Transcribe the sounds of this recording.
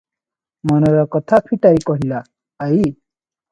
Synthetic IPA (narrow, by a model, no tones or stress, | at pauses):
mɔnɔɾɔkɔt̪ʰapʰiʈaikɔɦilaː | i